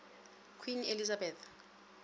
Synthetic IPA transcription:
kʰwinelizabɛθ

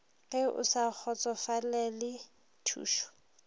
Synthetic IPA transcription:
ɣʼɛʊ̰sak͡xʰɔt͡sʼɔfalɛlɪ | tʰṵːʃɔ̥

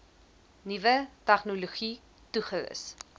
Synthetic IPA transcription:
nivətæχnuluχi | tuχəʋə̰s

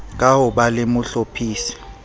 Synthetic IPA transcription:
k̬ʼawɔɓalemʊɬopʰiːsi̥

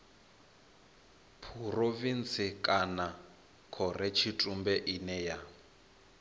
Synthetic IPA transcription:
pʰurovint͡sikʼana | kʰɔrɛt͡ʃʰitʼumbɛʔinɛja

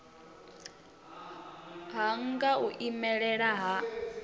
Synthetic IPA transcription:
ɦaŋɡauʔimɛɺɛɺaɦa

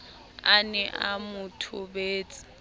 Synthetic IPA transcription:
anɛʔamʊtʰʊbeːt͡sʼi̥

